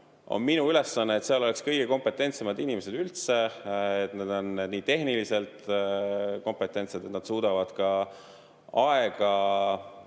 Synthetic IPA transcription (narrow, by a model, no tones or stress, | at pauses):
o̞̰nminuyle̞sːɑnːeːt̪seɑlo̞le̞kskɤ̞jɡ̥eko̞mpe̞t̪ːˑe̞nt̪semɑd̪inime̞se̞d̪̥ylt̪se̞et̪ned̪o̞nːed̪niːt̪e̞ɦnilise̞lt̪ | ko̞mpe̞t̪ˑːe̞nt̪sed̪̥e̞t̪nɑd̪suːd̪̥ɑvɑd̪̥kɑ | ɑeɡ̥ɑ